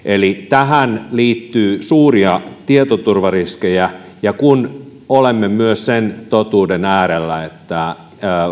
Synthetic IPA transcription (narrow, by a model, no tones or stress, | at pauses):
elit̪æɦænliːt̪ːyːsuːriɑt̪iet̪ot̪urʋɑriskejæ | jɑkun | olemːemyøssent̪ot̪uːdenæːɾelːæet̪ːæ